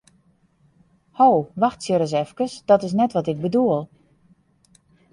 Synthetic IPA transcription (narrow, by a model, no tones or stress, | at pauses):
howʋaxtsjəɾəs̬ɛfkəsd̥ɔtɪs̬nɛtʋɔtɪk̚bəduəlˠ